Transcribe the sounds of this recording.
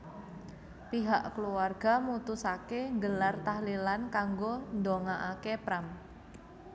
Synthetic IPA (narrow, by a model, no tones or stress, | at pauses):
piɦaʔkəluarɡ̥amut̪usakeŋɡəlart̪ahlilankaŋɡond̪oŋaʔakepɾam